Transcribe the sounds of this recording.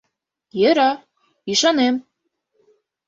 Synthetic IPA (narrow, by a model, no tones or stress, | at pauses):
jɘ̆ɾɑ | iʃɑnem